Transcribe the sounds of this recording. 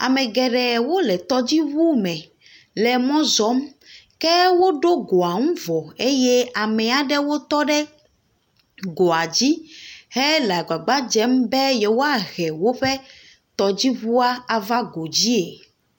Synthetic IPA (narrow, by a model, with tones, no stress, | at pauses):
a̰˨mɛ̃˨ɡɛ˨ɖɛ˨wo˦lɛ˨t̪ɔ˦d͡ʑi˦wu˦mɛ̃˨ | lɛ˨mɔ̃˦zɔ˨˦mkɛ˦wo˦ɖo˦ɡo˨a˨ŋũ˦vɔ˨e˦jɛ˦a˨mɛ˨a˨ɖɛ˦wo˦t̪ɔ˦ɖɛ˦ | ɡo˨a˨d͡ʑi˦ɦe˦lɛ˨a˨ɡ͡ba˨ɡ͡ba˦d͡ʒɛ˦mbɛ˦jɛ˨wo˦a˦ɣɛ˨wo˦ɸɛ˦ | t̪ɔ˨d͡ʑi˦βu˦a˦a˨va˦ɡo˨d͡ʑi˦e˨